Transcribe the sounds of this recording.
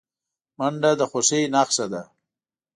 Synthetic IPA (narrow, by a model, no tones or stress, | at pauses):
maɳɖad̪əxosejnaːqsad̪a